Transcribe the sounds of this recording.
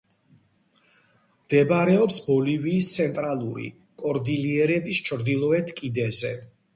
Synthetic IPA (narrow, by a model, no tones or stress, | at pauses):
md̪̥ɛbaɾɛɔpsbɔliviːst̪sʰɛnt̪ʼɾalˠuɾḭ | kʼɔɾd̪iliɛɾɛbist͡ʃʰɾd̪ilˠɔɛt̪ʰkʼid̪ɛzɛ